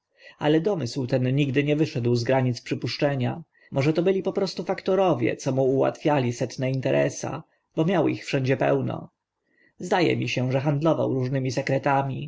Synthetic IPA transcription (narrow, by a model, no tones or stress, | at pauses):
alɛd̪ɔmɘswt̪ɛnːiɡd̪ɘɲɛvɘʂɛd̪wzɡɾaɲit̪spʂɘpuʂt͡ʂɛɲa | mʔɔʐɛt̪ɔbɘlʲipɔpɾɔst̪ufakt̪ɔɾɔvʲjɛ̰t̪sɔmuːwa̰t̪fʲjalʲisɛt̪nɛint̪ɛɾʔɛ̰sa̰ | bɔmʲjawḭxfʂɛɲd͡ʑɛpɛ̰wnɔ̰ | zd̪ajɛ̰mʲiɕɛʐɛxand̪lɔva̰wɾuʐnɘmʲisɛkɾɛt̪amʲi